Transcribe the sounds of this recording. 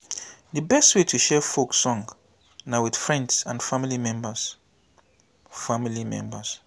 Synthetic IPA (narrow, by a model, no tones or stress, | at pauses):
dəbɛstwetʰuʃɛfoksɔ̃ŋ | nawid̥fɹɛ̃ndsãnfamilimɛ̃mbəs | familimɛ̰̃mbəs